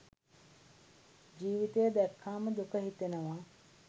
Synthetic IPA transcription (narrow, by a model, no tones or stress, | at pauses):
d͡ʒiːʋit̪ejəd̪ɛkʰːaːməd̪ukəɦit̪enəʋa